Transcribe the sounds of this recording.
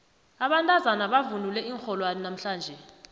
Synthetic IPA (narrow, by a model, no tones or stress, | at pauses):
aɓantʼazanaɓavunulɛiːŋxɔlwanɔnam̩ɬaːnd͡ʒʱɛ